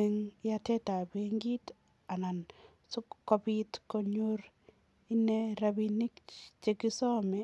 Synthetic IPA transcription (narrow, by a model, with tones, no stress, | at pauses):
e˨ŋja˦tɛ˦ta˨be˦ŋɡi˦t | a˨na˨n | su˦kːɔ˦pitko˦ɲo˦ɾ | i˦ne˦ɾabi˦ni˦kt͡ʃe˦ki˦sɔ˦mɛ˨